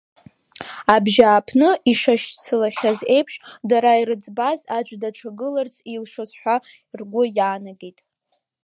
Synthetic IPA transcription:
abʒaːpʰnɨiʂaʃt͡sʰɨlaχʲaze̞jpʰʂdaɾaiɾɨd͡zbazad͡ʒʷʼdaʈ͡ʂʰaɡɨlart͡sʰʼilʂɨzħʷᶣa | rɡʷʊjaːnaɡetʼ

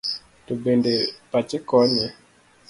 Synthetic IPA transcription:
tobendepat͡ʃɪkɔɲɛ

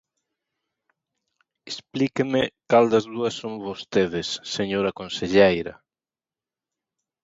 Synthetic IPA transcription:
esplikemekald̪ɐzðuɐsːoŋβost̪eðesːeɲoɾakonseʎejɾɐ̰

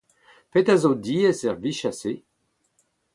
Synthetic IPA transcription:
petazodiːɛsɛʁviʃase

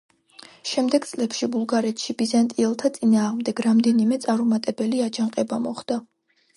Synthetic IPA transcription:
ʃɛmd̪ɛɡt̪sʼlɛpʃibulˠɡaɾɛt̪ʰʃibizant̪ʼiɛlˠt̪ʰat̪sʼinaːʁmd̪ɛɡɾamd̪ɛnimɛt̪sʼaɾumat̪ʼɛbɛliad͡ʒaŋqʼɛbamɔχd̪̥a

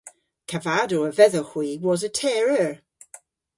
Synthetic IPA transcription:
kʰəvadoəvɛðəxwiːwɔzətʰɛɹəɹ

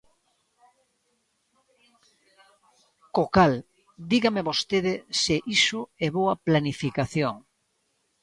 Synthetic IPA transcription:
kokal | d̪iɣameβost̪eðɪsɪʔisʊɛβoɐplanifikaθjoŋ

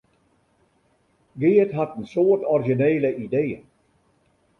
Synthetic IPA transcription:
ɡeːətɦatənsoːətɔrʒineːləʔideːə

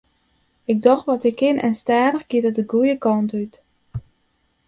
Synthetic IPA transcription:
ɪɡ̚dɔxtʋɔtɪkʰːɪnʔɛ̰nstaːdəxɡ̥idədəɡujəkɔntyt

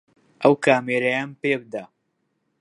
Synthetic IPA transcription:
ʔɐwkaːmeːɾɐjaːnpebɨd̪a

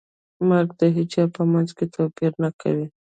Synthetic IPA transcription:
maɾɡ̚d̪əɦɪd͡ʒɑpəmanzket̪ʰopiɾnakʰa̰wi

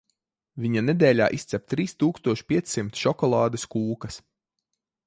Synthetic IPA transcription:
vʲiɲaned̪ɛːlʲaːʔist̪sʲɛp̚t̪ɾiːst̪uːkst̪uɔʃpʲiɛt̪sʲsimt̪ʃɔkɔlˠɑːd̪ɐskuːkɐs

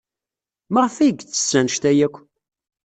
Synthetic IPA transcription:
məʁfiɡt͡sːə̥sːænʃt̪æjækʷː

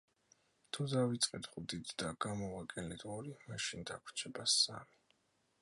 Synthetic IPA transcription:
t̪ʰud̪avit̪sʼqʼɛt̪χud̪id̪d̪aɡ̥amɔvakʼɛnlid̪ʰɔɾimaʃind̪akʷʰt͡ʃʰɛbasa̰mi

